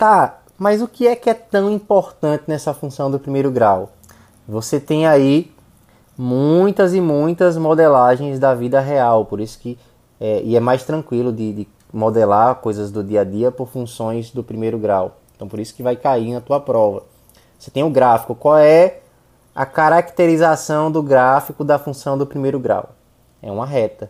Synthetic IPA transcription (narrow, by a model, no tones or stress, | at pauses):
t̪a | mɐjzʊkɪɛkɪɛt̪ɐ̃w̃ĩpoɾt̪ɐ̃nt̪ɪnɛsɐfũsɐ̃w̃d̪ʊpɾimejɾʊɡɾaw | voset̪ẽj̃ai | mũj̃t̪ɐzɪmũj̃t̪ɐzmod̪elaʒẽj̃zd̪ɐvid̪ɐɦeawpoɾisʊ̥kɪ | ɛʔɪɛmajst̪ɾɐ̃kwilʊd̪ɪd̪ɪ | mod̪elaɾkojzɐzd̪ʊd̪iɐd̪iɐpoɾfũsõj̃zd̪ʊpɾimejɾʊɡɾaweẽt̪ɐ̃w̃poɾisʊ̥kɪvajkainɐt̪uɐpɾɔvɐ | ose̥t̪ẽj̃ʊɡɾafi̥kʊkwawɛ | ɐ̰kaɾakt̪eɾizasɐ̃w̃d̪ʊɡɾafikʊd̪ɐfũsɐ̃w̃d̪ʊpɾimejɾʊɡɾa̰w | ɛ̰ũmɐɦɛt̪ɐ